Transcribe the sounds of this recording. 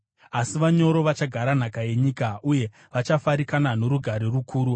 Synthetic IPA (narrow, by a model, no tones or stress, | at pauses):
asiʋaɲo̞ɾo̞ʋat͡ʃaɡʱaɾan̤akaje̞ɲiːkauje̞ | ʋat͡ʃafaɾikanano̞ɾuɡʱaɾirukʰuːɾu